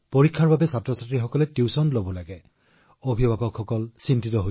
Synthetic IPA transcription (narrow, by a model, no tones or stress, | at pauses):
poɹikʰːaɹbabɛsatɹɔsatɹixɔkɔlɛtiwsɔnlobɔlaɡɛ | obʱibʱabɔkʰxɔkɔlsintitɔɦo